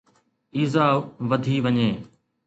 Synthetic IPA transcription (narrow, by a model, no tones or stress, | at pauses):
iːzaːʋʋɐd̪ʱiːʋəɲeː